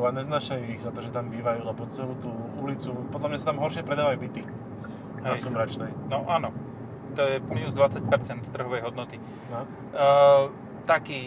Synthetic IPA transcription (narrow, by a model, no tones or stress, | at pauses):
uaɲɛznaːʃajuiɣzat̪ɔʒɛt̪ambiːʋajuːlɛbɔt͡sɛluːt̪uulit͡supɔd̪lamɲasat̪amɦɔɾʃɪɛpɾɛd̪aːʋajuːbit̪i | ɦɛjsumɾat͡ʃnɛjnɔʔaːnɔ | t̪ɔjɛmiːnuzd̪ʋat͡sac̚pɛɾt͡sɛnt̪st̪r̩ɦɔʋɛjɦɔd̪nɔt̪i | t̪akiː